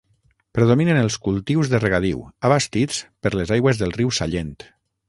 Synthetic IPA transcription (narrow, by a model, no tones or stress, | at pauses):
pɾeðominenəlˠskulˠt̪iwzðəreɣað̞iwaβast̪it͡spəɾlezajɣwəzðəlˠriwsaʎent̪